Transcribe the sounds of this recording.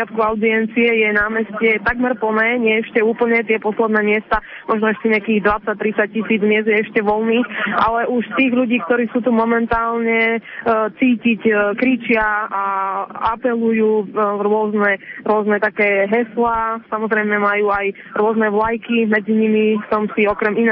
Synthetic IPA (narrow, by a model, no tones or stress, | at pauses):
at̪kuaʊd̪iɛnt͡siɛjɛnaːmɛscɛt̪aɡmɛɾpl̩nɛːɲɪɛɛʃcɛuːpl̩ɲɛt̪ɪɛpɔslɛd̪nɛːmɪɛst̪a | mʔɔʒnɔɛʃt̪iɲɪakiːɣd̪ʋat͡sːac̚t̪ɾit͡sac̚cisiːd͡zmɪɛzjɛɛʃcɛʋɔlniːxʔa̰lɛʔuʃst̪iːɣʎuɟiːkt̪ɔɾiːsuːt̪umɔmɛnt̪aːlɲɛ | t͡siːcickɾit͡ʃɪaaapɛlujuːɾʊɔznɛɾʊɔznɛt̪akɛːɦɛslasamɔzɾɛjmɛmajuːaj | ɾʊɔznɛʋlajkimɛd͡ziɲimisɔmsiɔkɾɛmin